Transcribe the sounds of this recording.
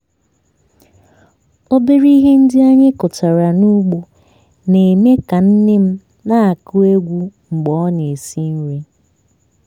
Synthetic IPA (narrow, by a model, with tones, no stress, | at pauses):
o˦be˦ɾi˦ɦe˦n̩˦dɪ˦a˦ɲe˦kʊ˨ta˨ɾa˨nu˦ɡ͡bo˦ | ne˨me˦ka˨n̩˦nɪ˦m̩˦ | na˦a˨kʊ˦e˦ɡʷu˦ŋ͡m̩˨ɡ͡bɔ˦ne˨si˦n̩˦ɾe˦